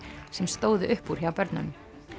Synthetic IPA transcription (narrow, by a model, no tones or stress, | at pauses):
sɛmst̪oːwðʏʔʏhpːuɾ̥çjawpɛɾt̪na̰mʏ